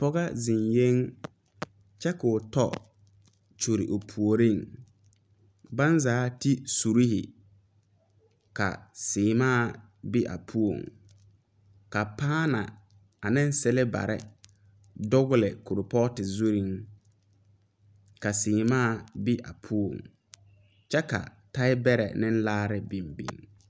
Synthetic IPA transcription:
pɔ˦ɣa˦zɪ˨nje˦ŋ | t͡ʃɛ˦kʊ˨tɔ̰˦ | t͡ʃo˨ɾḭ˨ʔo˨pʰu˨o˨ɾi˦˨ŋ | ba˦nzaː˨˦ti˦su˨ɾi˦hɪ̰˨ | ka̰˨sɪː˨maː˦˨ | bɪ˦ʔa̰˨pʰu˦o̰˨ŋ | ka˨paː˦na̰˨ | a˨nɪ˦n˦sɛ˦lɛ˦ba̰˨ɾɪ̰˦ | dʊ˦ɣʊ˦lɪ˨kʊ˨ɾʊ˨pɔ˦tɪ˨zu˦ɾi˦˨ŋ | ka˨sɪː˨maː˦˨bi˦ʔa̰˨pʰu˦o̰˨ŋ | t͡ʃɛ˦ka̰˨ | ta˦ɪ˦bɛ˦ɾɛ̰˨nɪ˦n˦laː˦ɾɪ˦bi˨mbḭ˨ŋ

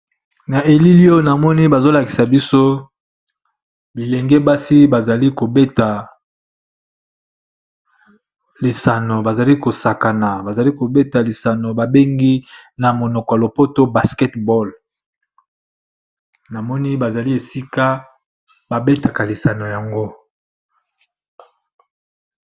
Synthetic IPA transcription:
na˨ʔe˨li˦li˦o˦na˨mɔ˦ni˦ba˨zo˦la˨ki̥˨sa˨bi˦so˦ | bi˨lɛ˨ŋɡɛ˦ba˦si˦ba˨za˨li˦ko˨be˦ta˨ | li˨sa˨no˨ba˨za˨li˦ko˨sa˨ka˨na˨ba˨za˨li˦ko˨be˦ta˨li˨sa˨no˨ba˨be˦ŋɡi˦na˨mo˨nɔ˨kɔ˨ja˨lo˨po˦to˦ba˨skɛ˦tbɔ˦l | na˨mɔ˦ni˦ba˨za˨li˦e˨si˦ka˦ | ba˨be˦ta˨ka˨li˨sa˨no˨ja˨ŋɡo˦

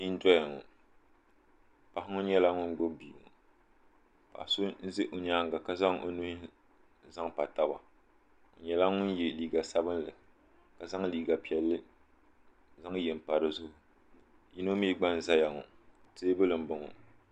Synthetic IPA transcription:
i˦n̩˦dɔ˦ja˨ŋɔ̰˨ | pa˨hɪ˦ŋɔ˦ɲɛ˦la˦ŋʊ˦nɡ͡bo˦bi˨ŋɔ̰˨ | pa̰˨hso˦n̩˦zɪ˦ʔo˨ɲaː˦ŋɡa˨ka˦za˦ŋʔo̰˨nu˦hi˦ | za˦ŋpa˨ta˦ba˨ | o̰˨ɲɛ˦la˦ŋʊ˦njɛ˨liː˦ɡa˨sa˦bɨ˦nlɨ˨ | ka˨za˦ŋ˦liː˨ɡa˨pi˨ɛ˨lːɨ˦ | za˦ŋ˦jɛ˨m˨pa˨ɾɨ˨zʊ˦hʊ˦ | ji˦no˦mi˦ɡ͡ba˦n˦za˦ja˨ŋɔ̰˨ | teː˦bɨ˦lɨ˨m̩˦bʊ˨ŋɔ̰˨

